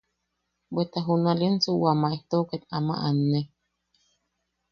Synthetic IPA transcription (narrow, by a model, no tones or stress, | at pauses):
bet̪aɦunalensuwamaeht̪oket̪ama̰ʔanːe